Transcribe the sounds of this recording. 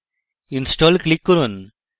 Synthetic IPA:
insʈoːlklikːuɾun

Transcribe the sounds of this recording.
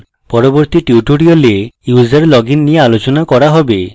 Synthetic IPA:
pɔɾoboɾt̪iʈiuʈuɽiolejuzeɾlɔɡinːijealot͡ʃonakɔɾaɦɔbe

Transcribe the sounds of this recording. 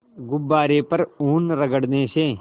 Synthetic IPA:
ɡʊbːaːɾeːpɐɾuːnɾɐɡəɽnẽːʃẽː

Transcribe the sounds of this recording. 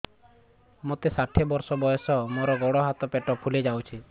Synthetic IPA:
mot̪esaʈʰebɔɾsɔbɔjɔsɔmoɾɔɡɔɽɔɦat̪ɔpeʈɔpʰuled͡ʒawt͡ʃʰi

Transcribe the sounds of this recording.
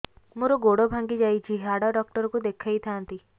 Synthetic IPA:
moɾoɡoɽobʱãŋɡid͡ʒaːit͡ʃʰiɦaɽaɖɔk̚ʈəɾkud̪ekʰait̪ʰãnt̪i

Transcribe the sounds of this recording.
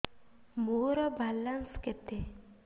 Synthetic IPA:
moːɾɔbʱalːansket̪e

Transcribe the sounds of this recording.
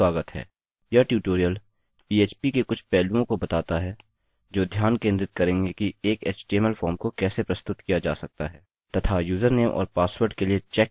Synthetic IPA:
waːɡət̪ɦɛ̰ː | jaʈjuːʈoːɾijəl | piːeːt͡ʃpikekʊt͡ʃʰpɛːlũõkobɐt̪aːt̪aɦɛ | d͡ʒoːd̪ʱjaːnkẽːnd̪ɾɪt̪̚kɐɾẽːŋɡekieːkɛːt͡ʃʈeːməlfʰɔːɾmkokɛːsepɾɐst̪ʊt̪kijad͡ʒa̰ːsɐk̚t̪a̰ɦɛː | t̪ɐt̪ʰajuːzəɾneːmʔɔ̰ːɾpaːswəɾɖkeliet͡ʃɛk

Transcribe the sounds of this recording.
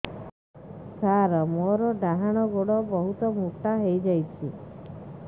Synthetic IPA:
saɾɔmoɾɔɖaɦaɽ̃ɔɡoɽɔbɔɦut̪ɔmuʈaɦejd͡ʒajt͡ʃʰi

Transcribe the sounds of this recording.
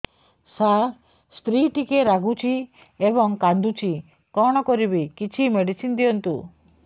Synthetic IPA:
sa | spɾiʈikeɾaɡut͡ʃʰi | ebɔŋkand̪ut͡ʃʰi | kɔɽ̃ɔkɔɾibikit͡ʃʰimeɽisind̪iɔnt̪u

